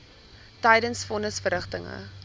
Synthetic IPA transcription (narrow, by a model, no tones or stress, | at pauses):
təjdənsfɔnəsfərɾəχtəŋə̰